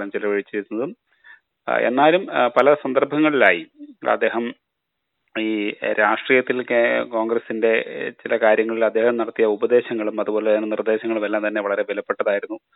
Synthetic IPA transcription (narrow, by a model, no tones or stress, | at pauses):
lɐmt͡ɕilɐʋɐɻit͡ɕːeit̪ːunːɐðɨm | ḛnːaːlumpɐlɐsɐnd̪ɐrbʱɐŋːɐɭilaːjiɐ̰d̪ːe̞ːɦɐm | iːɾʔaːʂʈriːjɐt̪ːilkko̞ːŋɡɾɐsinde̞t͡ɕilɐkaːɾjɐŋːɐɭilɐd̪ːe̞ːhɐmnɐɽɐt̪ːijɐubɐd̪e̞ːɕɐŋːɐɭumɐðubo̞ːlenːɨnird̪e̞ːɕɐŋːɐɭumelːaːmt̪ɐnːeʋɐɭɐɾe̞ʋelɐpːe̞ʈːɐðaːjiɾunːu